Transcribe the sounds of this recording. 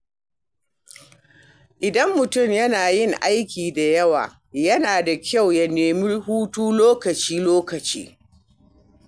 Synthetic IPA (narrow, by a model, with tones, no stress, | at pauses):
ʔɪ˨dɐ˦mːʊ˨tʊ˦˨mjɐ˦naː˨jɪ˦ŋʔa˦jkʲiː˨da˨jɐ˦wa̰ː˨ | jɐ˦naː˨da˨kʲʰa˦˨wjɐ˨neː˨mɪ˦rhuː˦tuː˦loː˦kɐ˨t͡ʃiː˦loː˦kɐ˨t͡ʃḭː˦